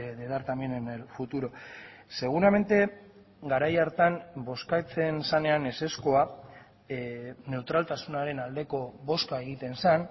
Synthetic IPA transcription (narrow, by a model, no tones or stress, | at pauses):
ðet̪aɾt̪amenenfut̪uɾo̞ | se̞ɣ̞uɾame̞nt̪e̞ | ɡaɾajaɾt̪anbo̞skat͡se̞nsane̞ane̞se̞sko̞a | ne̞wt̪ɾalt̪asunaɾe̞nald̪e̞ko̞βo̞skae̞ɣ̞it̪e̞nsan